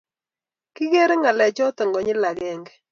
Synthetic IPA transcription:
kɪ˦ɣe˦ɾɛ˦ŋa˨lɛ˨t͡ʃɔ˦tɛ˨ŋɡɔ˨ɲɪ˦la˨ɣɛ˦ŋɡɛ˦

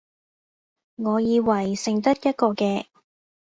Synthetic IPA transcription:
ŋɔː˨˧jiː˨˧wɐ˨˩jsɪ˨ŋt̪ɐ˥t̚jɐ˥t̚kɔː˧kɛː˧

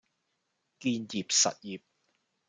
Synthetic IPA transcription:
kiː˧nji˨p̚sɐ̰˨t̚jiː˨p̚

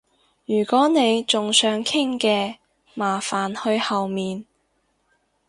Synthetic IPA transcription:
jyː˨˩kɔː˨˥ne˨˧jt͡sʊ˨ŋsœː˨˥ŋkʰɪ˥ŋkɛː˧ | maː˨˩faː˨˩nhɵ˧ɥhɐ˨wmiː˨n

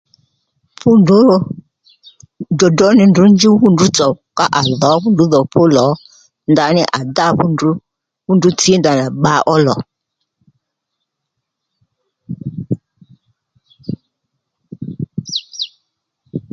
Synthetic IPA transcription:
pu˦ndu˦˨ | dɔ˨dɔ˨˦nɪ˨ndu˨˦n˦d͡ʒi˦ɸu˦ndu˨˦t͡sɔ˨ka˦ʔa˨ðɔ˨˦ɸu˦ndu˨˦ðɔ˨pʰʊ˦lɔ˨˦ | nda˨˦nɪ̰˦ʔa̰˨da˦˨ɸu˦ndu˦ | ɸu˦ndu˨˦t͡si˦e˦nda˨na˨ɓa˦ʔɔ˦lɔ˨

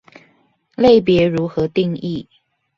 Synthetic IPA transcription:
le˥˩ɪp̬jɛ˧˥ɻu˧˥xɤ˧˥t̪i˥˧ŋi˥˩

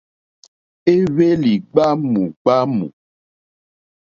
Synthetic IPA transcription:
e˦βe˦li˨ɡ͡ba˦mũ˨ɡ͡ba˦mṵ̃˨

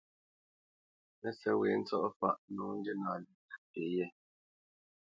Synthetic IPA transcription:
mɛ˦sɛ˦we˨˦n̩˦t͡sɔ˦ʔɔ˦fa̰˦˨ʔnɔ˨˦ŋ̩˦ɡe˦naː˨li˨te˨˦jɛ˦˨

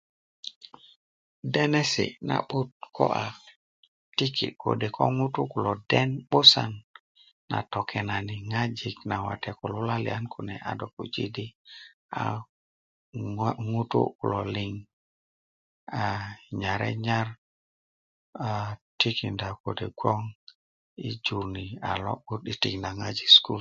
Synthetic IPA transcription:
de˦nɛ˦sḭ˨na̰˨ɓu˦t̚kʰo̰˦ʔa˨ | ti˦ki˨ko̰˨de˨kʰo˦ŋu˦tṵ˦ku˨lo˨dɛ˦nɓo˦sa˨nː | a̰˨to˨kʰɛ˨na˨ni˨ŋa˦d͡ʒi˨kna˨wa̰˨tɛ˨ku˨lu˦la˦lḭ˨a˦nkʰu˨nɛ˨ʔa̰˨do˨ku˨d͡ʒḭ˦di˦ | a̰˨ | ŋu˦tṵ˦ku˨lɔ˨li˨ŋ | a˨ɲa˨ɾɛ̰˦ɲa˦ɾ | a˨ti˦ki˨nda˨ko˨de˨ɡʷɔ˦ŋ | i˦d͡ʒu˨ɾni˨a̰˨lɔ̰˦ɓu˦ti˦ti˨kna˨ŋa˦d͡ʒi˨sku˦l

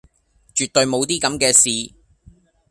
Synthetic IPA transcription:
t͡ʃyː˨t̪̚ɵ˧ɥmo˨˧wt̪iː˥kɐ˨˥mkɛː˧siː˨˧

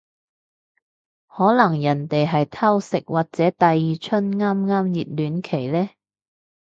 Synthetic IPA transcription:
hɔː˨˥lɐ˨˩ŋjɐ˨˩nt̪e˨jɦɐ˨jt̪ʰɐ˥wsɪ˨k̚wʔaː˨k̚t͡sɛː˨˥t̪ɐ˨jːiː˨t͡ʃʰɵ˥nŋaː˥mŋaː˥mjiː˨t̚lyː˨˥nkʰe˨˩jlɛː˥

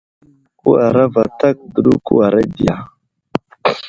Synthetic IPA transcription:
ku˦a˨ɾa˦va˨ta˦k̚də˨ɗu˦ku˦a˨ɾa˦di˨ja˨

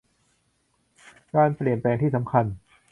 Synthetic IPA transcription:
kaː˧npli˨˩ənplɛː˧ŋt̪ʰiː˥˩sa˩˦mkʰa˧n

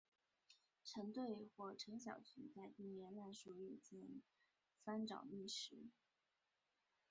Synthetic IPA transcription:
ʈ͡ʂʰɤ˧˥ŋt̪we˥˧ɪxwɔ˥˩ʈ͡ʂʰɤ˧˥ŋɕjɑ̰˨˩ʊt͡ɕʰy˧˥t͡sa˥˧ɪt̪i˥˩ŋjɛ˧˥nla˥˩nʂu˧˩y˥˩t͡ɕi˥˩n | fa˥nʈ͡ʂɑ̰˨˩ʊmi˥˩ʂɻ̩˧˥

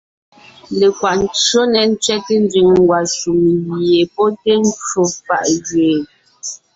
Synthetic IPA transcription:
le˨kwa˨n̩˨˦t͡ʃo˦nɛ˨n̩˦t͡sɥɛ˦te˦n˦d͡zi˨ŋŋ˦ɡwa˨su˨ŋɣje˨pɔ˦te˦n̩˦t͡ʃo˦fa̰˦˨ʔd͡ʒɥeː˨

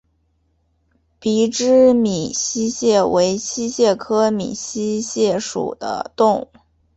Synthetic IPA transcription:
pi˧˥ʈ͡ʂɻ̩˥mi˨˩ɕi˥ɕjɛ˥˩we˧˥ɪɕi˥ɕjɛ˥˩kʰɤ˥mḭ˨˩ɕi˥ɕjɛ˥˩ʂṵ˨˩d̪̥ə̰˦t̪ʊ˥˧ŋ˩

